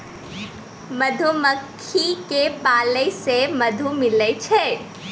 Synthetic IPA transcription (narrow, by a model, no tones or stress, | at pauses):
mɐd̪ʱuməkʰːikepaːləsemɐd̪ʱumɪlət͡ʃʰe